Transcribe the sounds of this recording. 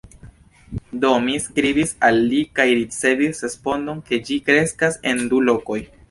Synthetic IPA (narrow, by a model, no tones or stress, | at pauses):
domiskɾibisalːikajɾit͡se̞visɾe̞spo̞ndo̞nke̞d͡ʒikɾe̞skase̞ndulo̞ko̞j